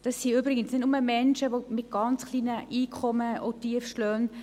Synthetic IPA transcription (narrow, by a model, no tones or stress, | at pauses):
d̥ɑsːiːybɾɪɡənsnɪtnuməmɛnʃəʋomɪt̚ɡ̥ɑnt͡sxliːnəʔiːkʰɔməotiəfʃlœːn